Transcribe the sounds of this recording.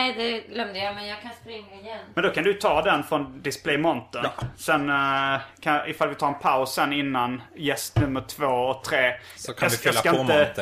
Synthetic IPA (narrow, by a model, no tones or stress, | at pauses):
ɛd̪ɛɡlœmd̪əjamɛjakʰanspɾɪŋːaɪjɛnmɛnd̪ɔkʰand̪ɵjt̪ʰɑːd̪ɛnfɾɔnd̪ɪspʰlɛjmɔnt̪əsɛnː | kʰaɪfalvɪt̪ʰɑːɾɛnpʰaʊsɛnːɪnːanjɛst̪nɵmːəʈʰv̥oːɔk̚t̪ʰɾeː | kɑɪɑkaɪnə